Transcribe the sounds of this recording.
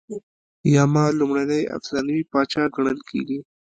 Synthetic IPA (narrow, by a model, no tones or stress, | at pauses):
jɑːmɑlumɽanaja̰fsɾɑnəwipɑt͡ʃɑɡəɳ̃əlkʰḛɡi